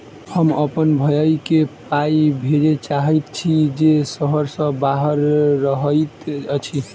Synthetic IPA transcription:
həməpənbʱəjəjkepaibʱeɾet͡ʃaɦɛt̪t͡ʃʰid͡ʒesəɦəɾsə̃baɦəɾːəɦət̪ət͡ʃʰi

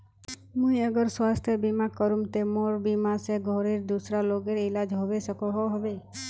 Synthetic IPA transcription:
mũjəɡəɾswast̪ʰjəbimakɔɾumt̪emoɾbimaseɡʱɔɾeɾd̪usɾaloɡeɾilad͡ʒɦɔbesəkɔɦɔɦɔbe

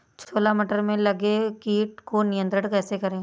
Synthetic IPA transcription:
t͡ʃʰoːlamiʈəɾmẽlɐɡekiːʈ̚konɪjə̃nt̪ɾəɽkɛːsekɐɾẽː

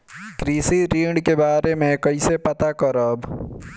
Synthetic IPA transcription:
kɾiːsiɾiːɖkebaːɾemẽkɐisepɐt̪akɐɾəb

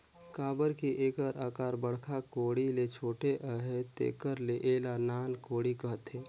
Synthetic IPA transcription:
kaːbəɾkiʔeːkəɾaːkaːɾbəɽ̤kʰakoːɽilet͡ʃʰoːʈeʔəɦet̪ḛːkəɾleʔeːlanaːnkoːɽikəɦət̪ɦeː

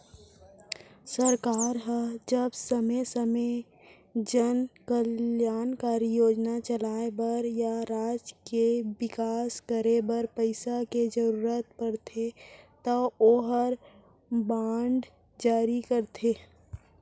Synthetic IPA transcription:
səɾkaːɾɦəd͡ʒəbsəmesəme | d͡ʒənkəljaːnkaːɾijoːd͡ʒnat͡ʃəlaːebəɾjaɾaːd͡ʒkewɪkaːskəɾebəɾpəɪsaked͡ʒəɾuːɾət̪̚pəɾt̪ʰet̪əoːɦəɾ | bãːɳɖ | d͡ʒaːɾikəɾt̪ʰeː

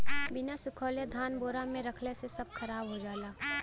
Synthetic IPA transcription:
bɪnasʊkʰoːljad̪ʱaːnboːɾamẽɾɐkʰlesesɐb̚kʰɐɾaːbɦod͡ʒaːlaː

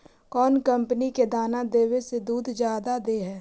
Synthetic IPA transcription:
kɔːnkə̃mpəniked̪aːnad̪eːwesed̪uːd̪d͡ʒjaːd̪ad̪eːɦɛː

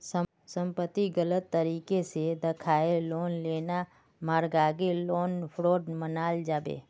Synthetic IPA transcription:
s | sə̃mpət̪ːiɡələt̪ːəɾiːkesed̪ɪkʰaːeloːnleːna | maːɾɡaːɡeloːnpʰɾoːɖmənaːld͡ʒaːbḛː

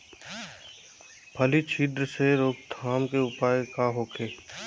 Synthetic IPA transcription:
pʰɐlit͡ʃʰiːd̪ɾəseɾoːkt̪ʰaːmkeʊpaːjekaɦoːkʰeː

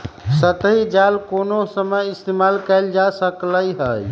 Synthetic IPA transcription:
sət̪əɦid͡ʒalkonosəməjist̪emalkəld͡ʒasəkləjɦəj

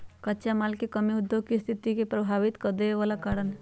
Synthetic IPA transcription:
kətːt͡ʃamaːlkekəmiʊd̪ːjoɡ̚kist̪ʰit̪ikepɾəbʱaːʋit̪kəd̪eʋalakaːɾənɦ

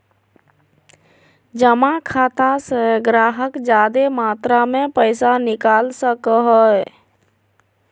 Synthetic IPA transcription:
d͡ʒəmakʰat̪asəɡɾaɦəkd͡ʒad̪emat̪ɾamepəɪsanikalsəkəɦə

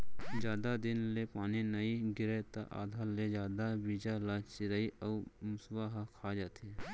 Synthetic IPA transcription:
d͡ʒjaːd̪ad̪ɪnlepaːninɐiɡɪɾet̪a̰ʔa̰ːd̪ʱaːɾled͡ʒjaːd̪abiːd͡ʒalaːt͡ʃɪɾaːiʔɔːmʊswaɦakʰaːd͡ʒaːt̪e

